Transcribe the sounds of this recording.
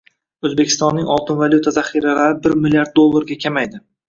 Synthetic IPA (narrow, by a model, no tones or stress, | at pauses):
ɵzbekʲʰɪ̥st̪ɒnːɪŋʲɒlˠt̪ʰɪnvalʲjut̪ʰazaχiɾalaɾɪbɪɾmɪlʲiaɾd̪̚d̪olˠːaɾɡʲakʲʰamajd̪ɪ